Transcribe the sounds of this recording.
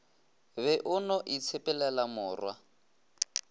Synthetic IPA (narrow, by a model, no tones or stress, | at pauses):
βɛʔʊnɔʔit͡sʰepɛlɛlamʊːrwa